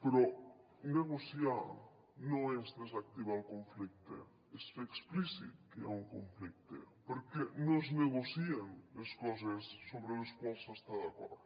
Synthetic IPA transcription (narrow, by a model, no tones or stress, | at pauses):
peɾo | neɣosjaɾ | nõŋɛzðes̬ak̚t̪iβalkõɱflik̚t̪ḛ | eseksplisḭt̪keauŋkoɱflik̚t̪ḛpoɾkenõzneɣosieneskos̬esːoβɾeleskwalsast̪aðako̰ɾðo